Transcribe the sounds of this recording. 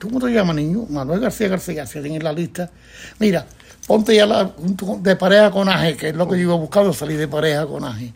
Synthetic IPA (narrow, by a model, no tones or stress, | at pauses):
t̪ukmot̪ojamanĩɲumãnoeɦɣaɾθiaɣaɾθiasiasiŋelaliht̪a | miɾa | põnt̪ejalahunt̪ukod̪epaɾehakonaɦekeelokeoiβaβuhkand̪osaliɾðepaɾehako̰na̰ɦe